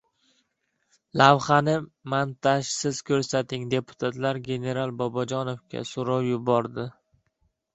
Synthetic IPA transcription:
lavχanɪmant̪ʰaʃsɪz̥kʲʰɵɾsat̪ʰɪŋd̪e̞pʰʊ̥t̪ʰat̪ʰlaɾɡʲe̞ne̞ɾalˠbɒbɒd͡ʒɒnofkʲʰa̰soɾɒwjʊbɒɾd̪ɪ

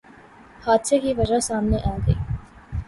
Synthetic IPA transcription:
haːd̪sekiʋɐd͡ʒasaːmneʔaːɡɐḭː

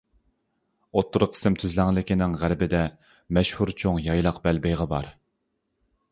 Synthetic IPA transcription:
ot̪ʰːʊɾʊqʰə̥sɨmt̪ʰyzlæŋlˠɪkʲinɪŋʁæɾbɪd̪ɛ | mɛʃhuɾt͡ʃʰoŋjɑjlˠɑqbælbɛjʁɑbɑ̰ɾ

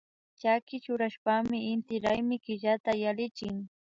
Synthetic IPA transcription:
t͡ʃakɪt͡ʃʊɾaʃpamɪɪnt̪ɪɾajmɪkɪʎat̪ajalɪt͡ʃɪŋ

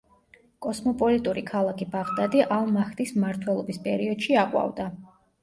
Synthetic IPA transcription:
kʼɔsmɔpʼɔlit̪ʼuɾikʰalˠakʰibaʁd̪ad̪iʔalˠmaxt̪ʼismaɾt̪ʰwɛlˠɔbispʼɛɾiɔd̪̥ʃiaqʼwa̰vd̪a

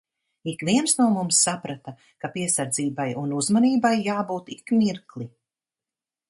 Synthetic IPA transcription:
ikviɛnsnuːmumsːapɾat̪a | kapiɛsaɾd̪ziːbajunuzmaniːbajːaːbuːt̪ikmiɾklˠi

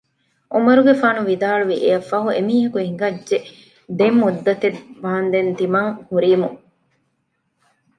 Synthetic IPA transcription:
ʔumɐɾuɡefaːnuʋid̪aːɭuʋiʔeɐfɐɦuemiːɦɐkuiŋɡɐd͡ʒʒe | d̪emːud̪ːɐt̪eʋaːnd̪ent̪imɐŋhuɾiːmu

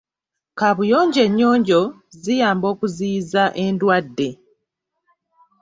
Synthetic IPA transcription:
kaβujo̞ːɲɟe̞ɲːo̞ːɲɟo̞ | zijaːmbo̞ːkuziːzaʔe̞ndwadːe

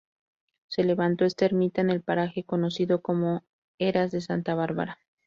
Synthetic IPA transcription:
se̞le̞βant̪o̞e̞st̪aeɾmit̪aene̞lpaɾaxe̞ko̞no̞siðo̞ko̞mo̞ | e̞ɾazðe̞sant̪aβ̞aɾβa̰ɾa

